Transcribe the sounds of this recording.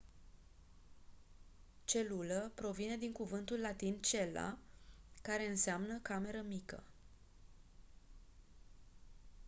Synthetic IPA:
t͡ʃe̞luləpɾo̞vine̞d̪iŋkuvɨnt̪ulːat̪int͡ʃe̞la̰kaɾe̞ɨnseamnəkame̞ɾəmikə̰

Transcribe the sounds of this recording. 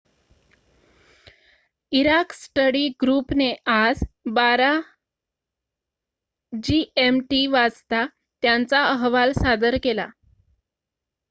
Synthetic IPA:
iɾaksʈəɽiɡɾupneʔad͡zbaɾa | d͡ʑiemʈiʋad͡zt̪a | t̪jant͡saəɦʋalsad̪əɾkela̰

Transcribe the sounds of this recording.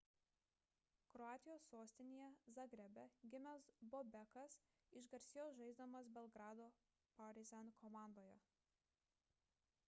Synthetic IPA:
kɾɔɑːt̪ʲɪjoːsːoːsʲt̪ʲɪnʲejɛzɐɡɾʲɛbʲɛɡʲɪmʲɛsbɔbʲɛkɐs | ɪʃɡɐɾʲsʲɪjoːsʒɐɪzd̪omɐs̬bʲɛlˠɡɾɑːd̪oː | pɐɾʲɪzʲɛnkʰɔmɑˑnd̪oːjɛ

